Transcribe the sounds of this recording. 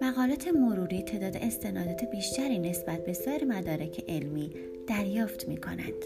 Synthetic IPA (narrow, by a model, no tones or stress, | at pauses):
mæɣɒːlɒːt̪ʰe̞moɾuːɾiːt̪ʰe̞ːd̪ɒːd̪ḛʔest̪ʰe̞nɒːd̪ɒːt̪ʰe̞biːʃt̪æɾiːne̞sb̥æt̪̚ʰbe̞sɒːɾemæd̪ɒːɾecʰe̞ʔelmiː | d̪̥æɾjɒːft̪miːkʰo̞̰næ̰nd̪̥